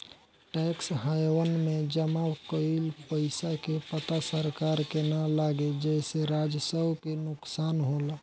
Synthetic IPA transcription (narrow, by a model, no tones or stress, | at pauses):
ʈɛksɦajwənmẽd͡ʒəmakoilpəɪsakepət̪asəɾkaɾkenalaɡed͡ʒɛɪseɾad͡ʒsəbkenʊksaːnɦoːl